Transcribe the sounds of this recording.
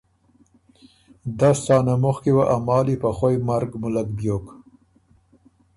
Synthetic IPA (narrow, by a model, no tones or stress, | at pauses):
d̪astɑːnamʊxkewaʔamɑːlipaxojmaɾɡmʊlakbjok